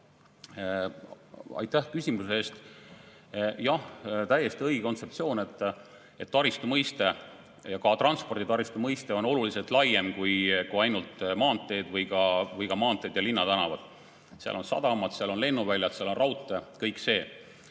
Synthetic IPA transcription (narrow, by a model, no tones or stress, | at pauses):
ɑ̰jt̪ːæhkysʲimuseeːst̪ | jɑht̪æje̞st̪iɤjɡko̞nt̪se̞pt̪sio̞ːne̞t̪ːˑ | e̞t̪ːɑɾist̪umɤjst̪e̞ | jɑkɑt̪rɑnspo̞rd̪it̪ɑɾist̪umɤjst̪e̞o̞no̞lulise̞lt̪ˑlɑjːe̞mkujkuɑjnult̪mɑːnt̪ːˑe̞ːd̪vɤjɡɑvɤjɡ̥ɑmɑːnt̪ːˑe̞d̪̥jɑlinːɑd̪ɑnɑvɑ̰d̪̥ | seɑ̰lo̞nsɑ̰d̪ɑmɑd̪̥seɑlo̞nle̞nːuvælʲjɑt̪seɑlo̞nrɑwt̪ːˑekɤjkse̞ː